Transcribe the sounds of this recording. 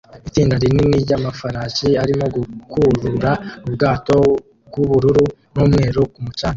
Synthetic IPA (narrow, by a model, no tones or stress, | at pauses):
itiːndaɾininiɾɟamafaɾaciaɾimo̞ɡukʰuɾuɾaubɡaːto̞ | b̚ɡuβuɾuɾunuːmŋe̞ːɾukumucaːɲe